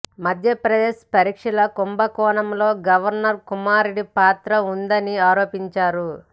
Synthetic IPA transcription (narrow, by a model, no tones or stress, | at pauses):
mɐd̪ʱjɐpɾɐd̪eːʃpɐɾikʂɐlɐkumbɐkɔːnɐmlo̞ːɡɐʋɐɾnɐɾkumaːɾeɽipaːt̪ɾɐund̪ɐniaːɾoːpiɲt͡ʃaːɾu